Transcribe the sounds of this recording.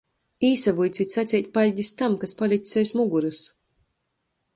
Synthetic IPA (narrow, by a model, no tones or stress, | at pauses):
iːsavujt̪sit̪ʲsat̪sʲɛjt̪̚ʲpalʲɟʲist̪amkaspalʲikʲt̪sʲɛjsmuɡuɾɨs